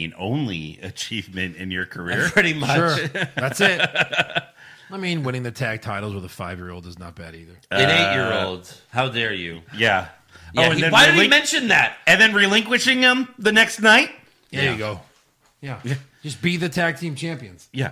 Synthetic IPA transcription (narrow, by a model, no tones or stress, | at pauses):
nõ̰ʊ̃nlḭɨ̰t͡ʃʰivmɨ̃ntɪ̰̃njə˞kʰə˞ɪɹpʰɹ̥ɪɾimʌʊðætst̚ | aɪmĩnwɪ̃ñɪ̃ŋðɨtʰæk̚tʰaɪɾl̩ˠzwəðəfaɪvjɪɹoʊlˠdɨznə̰t̚b̥æ̰ɾiðə˞ɨ̃neɪʔjɪɹoʊlˠdz̥haʊðə˞jʉ̰jæ | ɨ̃ðɨ̃waɪɾɨɪ̃imɛ̃nʃɨ̃nðæt̚ɨ̃nðɨ̃nɹilɪ̃ŋkwɨʃɪ̃ŋɪ̃mðɨnɛkstⁿnaɪt̚ | hjɨɡoʊ | jæd̥ʒ̥ʌsb̥iðɨtʰæk̚tʰĩmt͡ʃʰæ̃mpiɨ̃nz̥jæ̰